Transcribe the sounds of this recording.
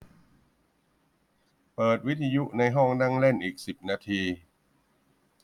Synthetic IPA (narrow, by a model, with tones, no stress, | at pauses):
pɤː˨˩t̪̚wi˦˥t̪ʰːa˧ju˦˥ʔna˧jɦɔ˥˩ŋna˥˩ŋle˥˩nʔiː˨˩k̚si˨˩p̚naː˧t̪ʰiː˧